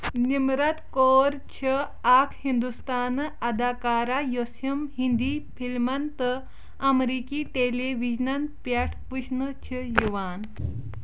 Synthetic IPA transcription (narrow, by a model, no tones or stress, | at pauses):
nimɾɐt̪koɾt͡ɕʰə | akʰhind̪ust̪anɐd̪akaɾajosjəmɦind̪ipʰilmɐnt̪ə | ɐmɾikiʈeleʋid͡ʑnɐnt̪pjaʈʰpuɕnət͡ɕʰəjuʋaːn